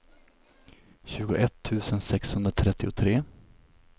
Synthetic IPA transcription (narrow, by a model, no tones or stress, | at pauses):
ɕʉ̟ːɡʊʔɛt̪ʰːʉ̟ːsənsɛkshɵnd̪ɾat̪ʰɾɛt̪ːɪʊt̪ʰɾeː